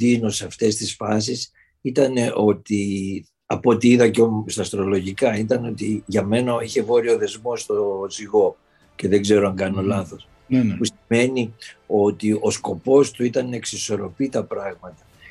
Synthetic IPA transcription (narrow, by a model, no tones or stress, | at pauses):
dinoseɐft̪e̞st̪isfɐs̬is | it̪ɐne̞ʔo̞t̪i | ɐpo̞t̪iiðɐceost̪ɐːst̪ɾo̞lo̞ʝikɐit̪ɐnot̪iʝɐme̞nɐiçe̞vo̞ɾio̞ðe̞zmo̞st̪oziɣo̞ | ce̞ðe̞ɡze̞ɾo̞ɐŋɡɐno̞lɐθo̞s | pusime̞nio̞t̪iʔo̞sko̞po̞st̪uit̪ɐneksiso̞ɾo̞pit̪ɐpɾɐɣmɐt̪ɐ